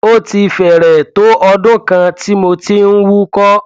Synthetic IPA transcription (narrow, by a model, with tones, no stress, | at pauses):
o˦˨ti˧fɛ˨ɾɛ˨to˨˦ʔɔ˧dʊ̃˦kã˧ti˦mo˧ti˦n̩˦wu˦kɔ˦